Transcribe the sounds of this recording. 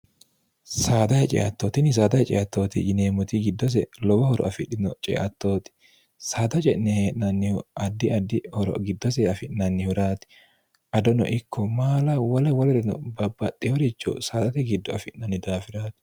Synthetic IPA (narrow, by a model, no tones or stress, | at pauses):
saːd̪ɐhɛt͡ʃʼɛ̰ʔɐt̪ːoːt̪ɪnːɪs̬aːd̪ɐhɛt͡ʃʼɛ̰ʔɐt̪ːo̞ːt̪ɪ̰d͡ʒɪneːmʊt̪iɡɪd̪ːɔs̬ɛlɔbɔhɔɾɔ̰ʔɐfɪɗɪnɔt͡ʃʼɛ̰ʔɐt̪ːo̞ːt̪ɪ̥ | saːt̪ɐt͡ʃʼɛʔnɛheːʔnɐnːɪʔɐd̪ːɪɐd̪ːɪhɔɾɔ̰ɡɪd̪ːɔs̬ɛɐfɪʔnɐnːɪhʊɾaːt̪ɪ̥ | ʔɐd̪ɔnɔ̰ʔɪkʰːɔmaːlɐwɐlɐwɔlɛɾɛnɔ̰bɐbːɐt̪ʼːɛhɔɾɪt͡ʃːɔ̰saːt̪ɐt̪ɛɡɪd̪ːɔɐfɪʔnɐnːɪd̪aːfɪɾaːt̪ɪ̥